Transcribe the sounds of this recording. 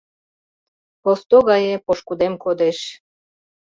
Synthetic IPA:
post̪oɣɑjepoʃkud̪emkod̪eʃ

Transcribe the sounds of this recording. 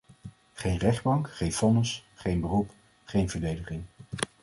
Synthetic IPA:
χejnrɛχd̚bɑŋkχejnfɔnəsχejnbərup | χejnvəɹdejdəχɪŋ

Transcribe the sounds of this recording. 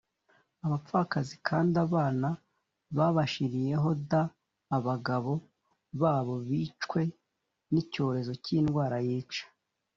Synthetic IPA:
aβap͡fakazikʰaːndaβaːna | βaβaʃiɾije̞ɦo̞daː | βaɡaβo̞ | βaːβo̞βit͡ʃwe̞ | nico̞ːɾe̞zo̞ciːnɡwaːɾajiːt͡ʃḁ

